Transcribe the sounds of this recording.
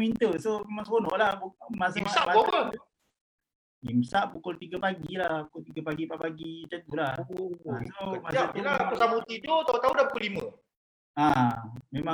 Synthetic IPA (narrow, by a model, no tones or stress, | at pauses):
mint̪əsomemaŋskonɔ̰ʔlamaseamau | imsaʔpukolt̪iɡapaɡilahpukolt̪iɡapaɡipaʔpaɡit̪ət̪ula | somasaat̪osabut̪idot̪at̪audapukulimə̰ | amema